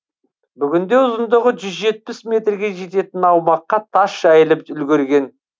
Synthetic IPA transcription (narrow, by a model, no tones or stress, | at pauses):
bʏɡʲɪnd̪e̞ʊzənd̪əʁəʒʏzʒe̞t̪̚pɪsme̞t̪rɡʲe̞ʒe̞t̪e̞t̪ɪnɑwmɑqːɑt̪ʰɑsʒ̥æjɪlɪpʏlɡʲeɾɡʲe̞n